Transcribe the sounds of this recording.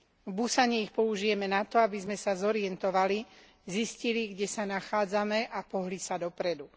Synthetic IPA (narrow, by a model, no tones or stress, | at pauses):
vbusaɲɛixpɔuʒijɛmɛnat̪ɔabizmɛsazɔɾɪɛnt̪ɔʋali | zisciliɡɟɛsanaxaːd͡zamɛʔapɔɦlisad̪ɔpɾɛd̪u